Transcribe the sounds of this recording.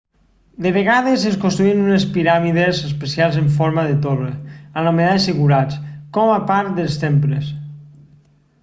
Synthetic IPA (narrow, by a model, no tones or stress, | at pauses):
d̪eβ̞eɣað̞ezeskõnst̪ɾuinunespiɾamiðezespesialˠzeɱfɔɾmaðet̪oreanomeðaesiɣuɾat͡skɔmapaɾt̪d̪elˠst̪empɾes